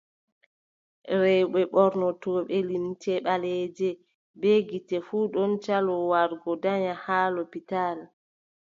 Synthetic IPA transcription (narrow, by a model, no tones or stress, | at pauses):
ɾɛɓɛɓɔɾnɔtɔːɓɛlimtɛɓalɛd͡ʒɛ | beɡitɛfuɗɔnt͡ʃalɔwaɾɡɔdaɲahaːlɔpital